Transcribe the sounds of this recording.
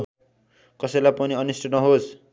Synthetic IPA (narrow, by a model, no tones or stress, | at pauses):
kʌsʌjlajpʌniʌnisʈʌnʌɦos